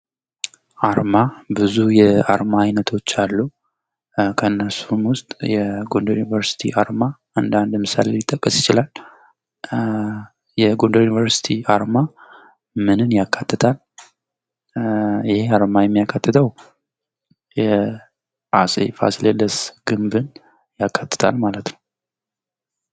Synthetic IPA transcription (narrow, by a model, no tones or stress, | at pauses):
ʔaɾmabɨzujɛaɾmaːjnət̪ʰo̞t͡ʃːalːu | kʰənːəsunwʊst̪ʼjɛɡo̞ndojunivəɾsi̥t̪ʰḭʔaɾma | and̪and̪mɨsa̰lelɪt̪ʼːəkʼːəsjɪt͡ʃɪlal | jɛɡo̞nd̪əjunivəɾsi̥t̪ʰiaɾma | mɨnɨnjakʰːat̪ʰːɨt̪ʰal | jɪheaɾmajɛmːijakʰːat̪ːɨt̪ʰəw | jɛ | ʔa̰sʼḛfa̰sled̪əsɡ̥ɨmbɨn | jakʰːat̪ːɨ̥t̪ʰa̰lmalət̪nəw